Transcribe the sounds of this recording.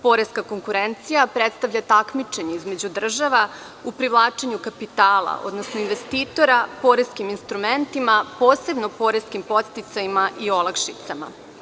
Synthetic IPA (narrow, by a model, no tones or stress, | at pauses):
po̞ɾe̞skako̞ŋkuɾent̪sijapɾet̪st̪aʋʎat̪akmit͡ʃe̞ɲe̞izme̞d͡ʑud̪r̩ʒaʋa | upɾivlˠaːt͡ʃeɲukapit̪aːla̰ʔo̞̰d̪nosnoinʋe̞st̪iːt̪o̞ɾapo̞ɾeskiminst̪ɾument̪imapoːse̞bnopo̞ɾeskimpo̞t̪st̪it̪sajimaʔio̞lˠakʃit̪sama̰